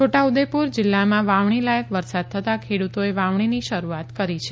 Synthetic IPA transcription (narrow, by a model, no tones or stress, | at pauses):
t͡ʃʰoʈaud̪epuɾd͡ʒɪlːamãʋaʋɳ̃ilajəkʋəɾsad̪̚t̪ʰət̪akʰeɽut̪oeʋaʋɳ̃iniʃəɾuat̪kəɾit͡ʃʰe